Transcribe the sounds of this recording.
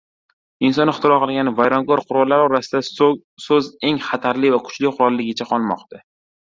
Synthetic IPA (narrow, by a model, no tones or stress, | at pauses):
ɪnsɒnɪχt̪ʰɪɾɒqɨlˠɡʲanɪvajɾɒŋɡɒɾqʰʊɾɒlˠːaɾɒɾasɪd̪a | sɵze̞ŋχat̪ʰaɾlɪvakʰʊ̥t͡ʃlɪqʊɾɒlˠːɪɡʲɪt͡ʃʰaqʰɒlˠmɒ̰qt̪a